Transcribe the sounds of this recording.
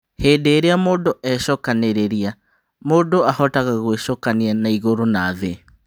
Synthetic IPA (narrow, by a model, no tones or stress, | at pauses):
heːdeːɾeamoːdoʔɛɕɔkaneɾeɾia | moːdoahɔtaɣaɣweɕokanianaiɣoɾonaːðe